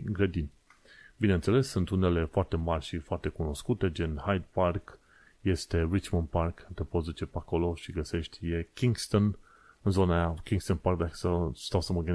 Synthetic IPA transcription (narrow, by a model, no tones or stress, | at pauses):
ɡɾed̪in | binent̪se̞le̞sːunt̪une̞le̞foart̪e̞marʲʃifoart̪e̞kuno̞skut̪e̞d͡ʒenhajd̪̚park | je̞st̪e̞ɾit͡ʃmənd̪̚parkt̪epo̞t̪sd̪ut͡ʃe̞peako̞lo̞ʃiɡəse̞ʃt̪ʲjekʲiŋɡst̪on | ɨnzo̞najakʲiŋɡst̪onparkd̪akə̥səst̪awsəməɡɨn